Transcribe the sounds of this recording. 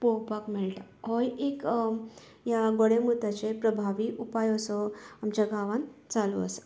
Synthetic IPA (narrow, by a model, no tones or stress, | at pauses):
poɦpakmilʈaɦɔjek | jaɡoɽemut̪at͡ɕepɾəbʱaʋiːʔupajɔsɔamt͡ɕaɡʱaʋãnt͡salṵə̰sə̥